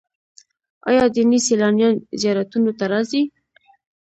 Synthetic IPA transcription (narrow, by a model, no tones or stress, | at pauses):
ɑ̰jɑd̪iniselɑnjɑnzjɑɾat̪unot̪aɾɑsi